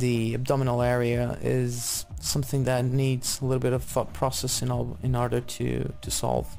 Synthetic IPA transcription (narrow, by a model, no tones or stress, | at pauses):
ðiɨb̚dɑmənl̩ˠɛɹiɨɪ̰z̥ | sʌ̃mθɪ̃ŋðɨtⁿnidz̥əlɪɾl̩ˠbɪɾʌv̥fʌt̚pʰɹ̥ɔsɛsɨ̃nɔɨ̃nɔɹɾə˞ɾʰɨ̰ɾʰɨsɑ̰lˠv̥